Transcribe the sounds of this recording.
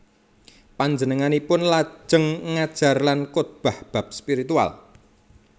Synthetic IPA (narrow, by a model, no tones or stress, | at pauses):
paɲd͡ʒənəŋanipʊnlḁʒ̥əŋːad̥ʒ̥a̤rlankot̪̚b̥a̤hb̥a̤p̚spiɾit̪ua̰l